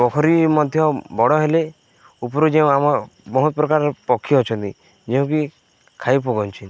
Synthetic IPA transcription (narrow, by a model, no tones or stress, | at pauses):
bɔkʰɔɾimɔd̪ʱjɔbɔɽɔɦele | upɔɾud͡ʒeũamɔ | bɔɦut̪ɔpɾɔkaɾpɔkʰːjɔɔt͡ʃʰɔnt̪i | d͡ʒeũki | kʰajp̬oɡɔnt͡ʃʰi